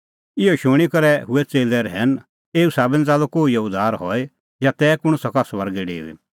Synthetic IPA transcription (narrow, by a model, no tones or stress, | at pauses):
ɪɔʃʊɽ̃ikɐɾɛɦʊɛt͡seːlɛɾɦɛn | eːusaːbɛ̃nd͡zaːlokoːiɐʊd̪ʱaːɾɦɔe | jat̪ɛːkʊɽ̃ʊsɐkasʋɐɾɡɛɖḛːṵḭ